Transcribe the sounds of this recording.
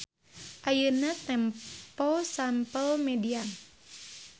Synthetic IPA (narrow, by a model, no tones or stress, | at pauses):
ʔajənat̪ɛmpɔsampəlmɛdian